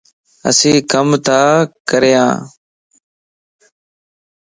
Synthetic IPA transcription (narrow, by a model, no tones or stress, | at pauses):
ə̰sĩːkəmt̪aːkəɾɪjã̰ː